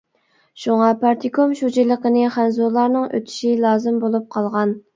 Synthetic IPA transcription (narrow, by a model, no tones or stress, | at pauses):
ʃuŋɑpʰɑɾt̪ʰikʰomʃud͡ʒilˠəqənɨχænzolˠɑɾnɨŋø̰t̪ʰy̥ʃilˠɑːzɨmbolˠup̚qʰɑlˠʁɑn